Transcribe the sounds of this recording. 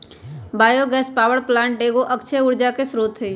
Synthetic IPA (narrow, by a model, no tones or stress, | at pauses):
baːjoɡɛːspaːʋəɽplãːɳʈ̚ɖeːɡoʔəkt͡ʃʰeʊɽd͡ʒakesɾoːt̪ɦeː